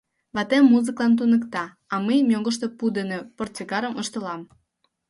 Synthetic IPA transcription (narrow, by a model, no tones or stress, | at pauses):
βɑt̪emːuzɨklɑnt̪̬unəkt̪ɑ | ɑməjmʲjoɣə̆ʃ̬t̪o̽pud̪eneport͡sekɑɾəmʔəʃt̪əlɑm